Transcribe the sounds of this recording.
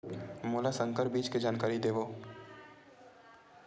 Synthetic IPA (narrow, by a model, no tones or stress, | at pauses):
moːlasə̃ŋkəɾbiːd͡ʒked͡ʒaːnkaːɾid̪eːʋoː